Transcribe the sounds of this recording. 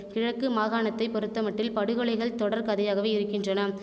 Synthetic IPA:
kɪɻɐkːɯmaːɣaːɳɐt̪ːɐɪpɔɾɯt̪ːɐmɐʈːɪlpɐɽɯɣɐɭɐɪɣɐɭt̪ɔɽɐɾkɐðɐjaːɣɐʋeːɪɾɯkːɪndrɐnɐ

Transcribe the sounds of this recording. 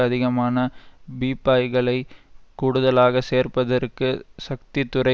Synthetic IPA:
ɐðɪɣɐmaːnɐbiːpːaːjɣɐɭɐɪkːuːɽʊðɐlaːɣɐseːrpɐðɐrkɯsɐk̚t̪ɪt̪ːʊɾɐ

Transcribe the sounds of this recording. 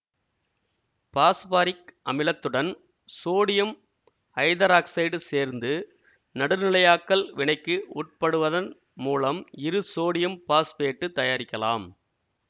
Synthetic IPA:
paːsbaːɾɪkʔɐ̰mɪlɐt̪ːɯɽɐn | soːɽɪjɐm | ɐɪðɐɾaːksɐɪɽseːɾnd̪ɯ | nɐɽɯnɪlɐjaːkːɐɭʋɪɳɐɪkːɯṵːʈ̚pɐɽɯʋɐðɐn | muːlɐmɪɾɯsoːɽɪjɐmpaːspeːʈːɯt̪ːɐjaːɾɪkːɐla̰ːm

